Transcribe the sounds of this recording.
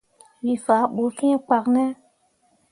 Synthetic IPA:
wi˨fa˨˦ɓo˨fĩ˦ɛ̃˦k͡pa˨knɛ˦

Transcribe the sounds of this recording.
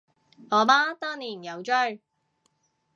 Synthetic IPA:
ɔː˨˧maː˥t̪aː˥ŋniː˨˩jɐ˨˧wt͡ʃœ˥ɥ

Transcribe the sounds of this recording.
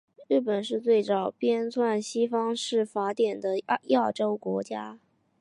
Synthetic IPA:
ɻɻ̩˥˩pə˨˩nʂɻ̩˥˧t͡swe˥˩ɪt͡sɑ˨˩ʊpjɛ˥nt͡sʰwa˥˩nɕi˥fɑ˥ŋʂɻ̩˥˩fa˧˥t̪jɛ˨˩nd̪ə˦ja˥˩ʈ͡ʂo˥ʊkwɔ˧˥t͡ɕja˥

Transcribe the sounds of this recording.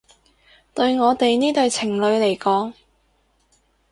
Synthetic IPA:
t̪ɵ˧ɥŋɔː˨˧t̪e˨jniː˥t̪ɵ˨˧ɥt͡sʰɪ˨˩ŋlɵ˨˧ɥle˨˩jkɔː˨˥ŋ

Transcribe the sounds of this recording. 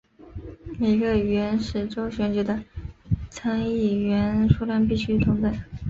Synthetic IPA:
me˨˩ɪɡə˧˩ɥɛ˧˥nʂɻ̩˥˩ʈ͡ʂo˥ʊɕɥɛ˧˥nt͡ɕy˧˥d̪ə˧t͡sʰa˥ŋi˥˩ɥɛ˧˥nʂu˥la˥np̬i˥˩ɕy˥t̪ʰʊ˧˥ŋt̪ə˥˩ɪ

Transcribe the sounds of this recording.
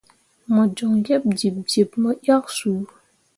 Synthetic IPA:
ma˩˨d͡ʑɔ˩˨ŋɡa˥˨p̚d͡ʑi˩˨p̚d͡ʑi˩˨p̚mə˨ja˥˨ʔ̚su˩˨

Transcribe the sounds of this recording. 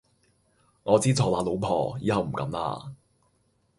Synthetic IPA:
ŋɔː˨˧t͡siː˥t͡sʰɔː˨˩laː˨˧˥lo˨˧wpʰɔ̰ː˨jiː˨˥hɐ˨wm̩˨˩kɐ̰˨˥mla̰ː˧

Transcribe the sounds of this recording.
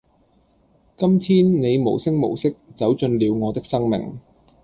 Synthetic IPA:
kɐ˥mt̪ʰiː˥nne˨˧jmo̰˨˩wsɪ˥ŋ̚mo̰˨˩wsɪ˥k̚t͡sɐ˨˥wt͡ʃɵ˧nliː˨˧wŋɔː˨˧t̪ɪ˥k̚sɐ˥ŋmɪ̰˨˩ŋ

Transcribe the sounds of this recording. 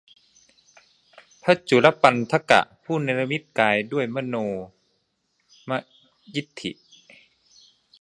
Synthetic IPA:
pʰa˧˥t͡ɕu˨˦la˦˥pa˧nt̪ʰa˧ka̰˨˧˩ʔpʰuː˥˨nɛː˧la˧mi˦˥t̪̚kaː˨˧jdu˥˩əjma˧˥˨noː˧ | ma˧ | ji˦˥t̪ʰːḭ˨˩ʔ

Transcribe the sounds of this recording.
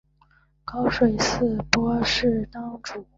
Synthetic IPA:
kɑ˥ʊʂwe˨˩ɪsɹ̩˥˩pwɔ˥ʂɻ̩˥˩t̪ɑ˥ŋʈ͡ʂu˨˩˦

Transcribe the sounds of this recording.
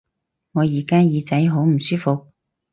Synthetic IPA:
ŋɔː˨˧jiː˨˩kaː˥jiː˨˧t͡sɐ˨˥jɦo˨˥wm̩˨˩syː˥fo˨k̚

